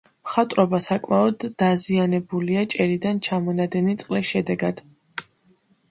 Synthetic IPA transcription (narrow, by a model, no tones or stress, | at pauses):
mχat̪ʼɾɔbasakʼmaɔd̪ːazianɛbuliat͡ʃʼɛɾid̪ant͡ʃʰamɔnad̪ɛnit̪sʼqʼlisʃɛd̪ɛɡad̪̥